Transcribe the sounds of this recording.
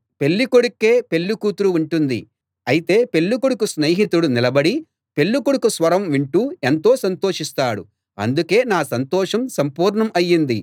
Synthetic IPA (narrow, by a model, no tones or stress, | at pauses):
pe̞lːikoɽukːe̞ːpe̞lːukuːt̪ɾuuɳʈund̪ḭ | ɐjit̪e̞ːpe̞lːukuɽukusneːɦit̪uɽunilɐbɐɽi | pe̞lːukoɽukusʋɐɾɐmʋiɳʈuːe̞nt̪o̞ːsɐnt̪oːʂist̪aːɽṵ | ɐ̰nd̪uke̞ːnaːsɐnt̪ɔːʂɐmsɐmpuːɾɳɐmɐjːind̪i